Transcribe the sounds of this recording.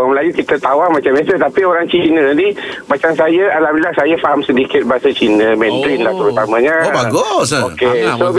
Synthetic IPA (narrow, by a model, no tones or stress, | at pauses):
əməlajukit̪ət̪awahmãt͡ʃamɛsət̪apioɾaŋt͡ʃinə̃dimat͡ʃaŋsajaalamilahsajafaɦamsədikɪt̪̚baɦasat͡ʃinə̃mɛ̃nd̪ɾinlaht̪əɾut̪amə̃ɲabaɡʊsokeso